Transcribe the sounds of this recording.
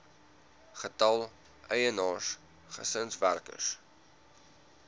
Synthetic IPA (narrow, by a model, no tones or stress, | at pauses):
χətɐlˠ | ʔəjənɑːʃ | χə̰sənsværkə̰s